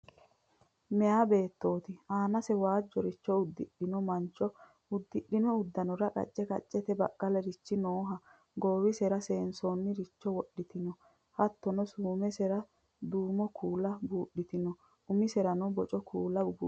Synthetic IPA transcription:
mɛjaːbe̞ːt̪ːo̞ːt̪ɪaːnɐsɛwaːd͡ʒːɔɾɪt͡ʃːɔʊd̪ːɪɗːɪnɔmɐnt͡ʃːɔ | ʊd̪ːɪɗːɪnɔʊd̪ːɐnɔɾɐkʼɐ̰t͡ʃʼːɛkʼɐ̰t͡ʃʼːɛt̪ɛbɐ̰kːɐlɛɾɪt͡ʃːɪnoːɦɐ | ɡo̞ːwɪsɛɾɐseːnsonːɪɾɪt͡ʃːɔwɔɗːɪt̪ɪnɔ | hɐt̪ːɔnɔsuːmɛsɛɾɐ | d̪uːmɔkʰuːlɐbuːɗːɪt̪ɪnɔ | ʊmɪsɛɾɐnɔbɔt͡ʃʼɔkʰuːlɐb̰

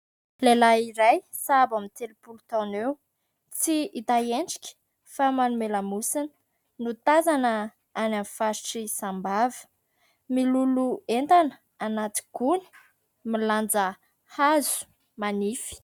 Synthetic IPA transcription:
lelaiɾaj | sabamit̪elupulut̪anew | t͡siit̪aeɳɖ͡ʐi̥kʲə̥ | famanumelamusinə̥ | nut̪azanə | anamfaɾiʈ͡ʂisambavə̥ | miluluent̪anə | anat̪i̥ɡ̥uni̥ | miland͡zə | hazu̥ | manifi̥

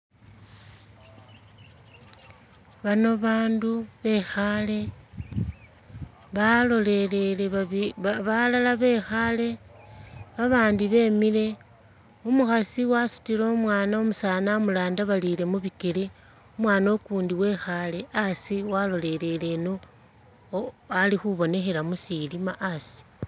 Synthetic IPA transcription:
βano̞βaːnduβe̞xale̞ | βalolelele | βalalaβe̞xale̞ | βaβaːndiβe̞ːmile̞ | omuxasiwasu̥tilomwaːnaomusaːnaomulaːndaβalile̞muβike̞le | omwaːnokuːndiwe̞xale̞asiwalo̞le̞le̞le̞no | alixuβo̞ne̞xe̞lamusilimaʔasi̥

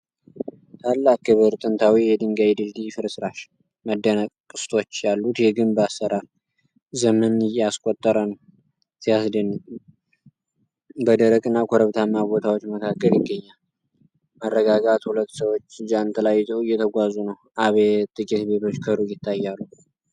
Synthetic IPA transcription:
t̪ʰalːakːɨβɨɾt̪ʼɨnt̪ʰawijɛd̪ɨŋɡajd̪ɨld̪ifɨɾɨsɾaʃ | məd̪ːənəkʼkʼɨ̥st̪ʰo̞t͡ʃːjalːut̪jɛɡɨnbəasːəɾaɾ | zəmənɨjɛaskʼot̪ʼːəɾən | sijasd̪ənː | bəd̪əɾəkʼɨnːakʰoɾəβt̪ʰamːabo̞t̪ʰawo̞t͡ʃːməkʰakːəljɪɡːəɲːal | mərːəɡaɡat̪hulət̪ːsəwot͡ʃːd͡ʒant̪ʰʼlajːzəwɨjɛt̪ʰəɡʷazunəwʔaβet̪ʼɨkʼit̪be̞t̪ʰo̞t͡ʃːkʰəɾujɪt̪ʰːajːalːu

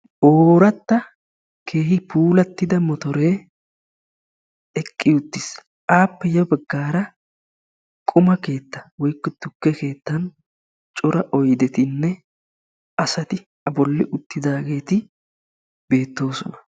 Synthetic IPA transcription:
ʔoːɾɐt̪ːɐ | kʰe̞ːhɪpuːlɐt̪ːɪd̪ɐmɔt̪ɔɾe̞ː | ɛkʼːɪʊt̪ːɪs | ʔaːpːɛjɐbɐɡːaːɾɐ | kʼʊmɐke̞ːt̪ːɐ̥wɔjkːɔt̪ːʊkːɛke̞ːt̪ːɐn | t͡ʃʼɔɾɐʔɔjd̪ɛt̪ɪnːɛ | ʔɐsɐt̪ɪ | ɐbɔlːɪʔʊt̪ːɪd̪aːɡe̞ːt̪ɪ | be̞ːt̪ːo̞ːsɔnɐ̥

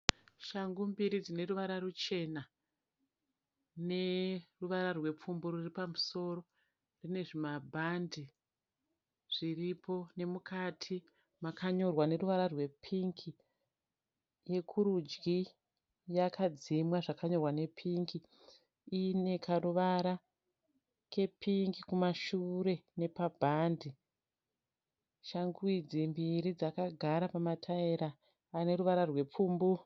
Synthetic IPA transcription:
ʃaŋɡumbiɾid͡zine̞ruʋaɾarut͡ʃe̞na | ne̞ruʋaɾarwe̞p͡fumboɾuripamuso̞ro̞ | rine̞ʐimabʱandi | ʐ̥iripʰo̞ne̞mukʰatʰi | makaɲo̞rwane̞ruʋaɾarwe̞pʰiŋkʰi | je̞kʰuɾud͡ʒɡi | jakʰad͡zimwaʐakaɲo̞rwane̞pʰiŋki | ine̞kʰaruʋaɾa | ke̞pʰiŋɡikumaʃuɾe̞ne̞pabʱandi | ʃaŋɡwid͡zimbiɾid͡zakaɡʱaɾapamatʰaeɾaː | ne̞ɾuʋaɾarwe̞puːmbu

